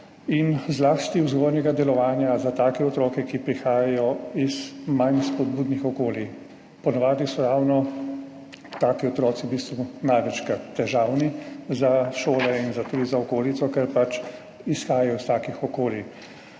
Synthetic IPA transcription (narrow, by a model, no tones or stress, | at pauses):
inzlaːst̪iuwzɡɔːɾnɛɡad̪ɛlɔʋaːnjazat̪aːkɛɔt̪ɾɔːkɛkipɾixaːjajɔizmajnspɔd̪̚buːd̪nixɔkoːli | pɔnaʋaːd̪nisɔɾawnɔ | t̪aːkiɔt̪ɾɔːt̪sibist̪ʋunajʋɛt͡ʃkat̪ːɛʒawnizaʃoːlɛinzat̪ud̪izaɔkoːlit̪sɔkɛɾpat͡ʃ | isxaːjajɔist̪aːkixɔkoːli